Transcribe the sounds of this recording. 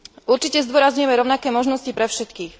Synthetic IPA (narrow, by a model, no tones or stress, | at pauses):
uɾt͡ʃicɛzd̪ʊɔɾazɲujɛmɛɾɔʊnakɛːmɔʒnɔscipɾɛfʃɛt̪kiːx